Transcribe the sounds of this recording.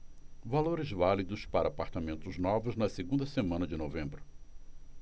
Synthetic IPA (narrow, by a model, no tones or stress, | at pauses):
valoɾɪzvalid̪ʊspaɾɐaːpaɾt̪amẽnt̪ʊznɔvʊznɐseɡũnd̪ɐsemɐ̃nɐd͡ʒɪnovẽmbɾʊ